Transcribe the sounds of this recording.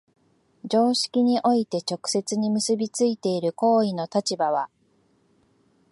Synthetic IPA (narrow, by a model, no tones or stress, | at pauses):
d͡ʑo̞ːɕi̥kʲiɲ̟iʔo̞it̪e̞t͡ɕo̞kɯ̟̥se̞t͡sɨɲ̟imɯsɨbʲit͡sɨit̪e̞iɾɯ̟ko̞ːino̞t̪at͡ɕibaβ̞a